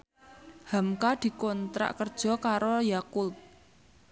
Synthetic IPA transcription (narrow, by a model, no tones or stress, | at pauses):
hamkad̪̥i̤kɔnt̪ɾa̰ʔkərd̥ʒ̥ɔ̤kaɾojakʊp̚